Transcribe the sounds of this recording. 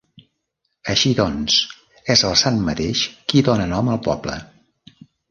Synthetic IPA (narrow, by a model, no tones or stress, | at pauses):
əʃiðɔns | ɛzəlˠsanmət̪eʃkiðonənɔməlˠpɔ̰blə̰